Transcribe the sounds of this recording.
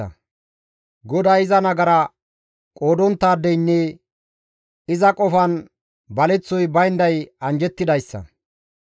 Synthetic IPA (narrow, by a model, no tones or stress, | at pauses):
ɐ̰ | ɡɔd̪ajɪzɐnɐɡɐɾɐ | kʼo̞ːd̪ɔnt̪ːaːd̪ːɛjnːɛ | ɪzɐkʼɔfɐn | bɐlɛt͡sːɔjbɐjnd̪ɐjɐnd͡ʒɛt̪ːɪd̪ɐjsːɐ̰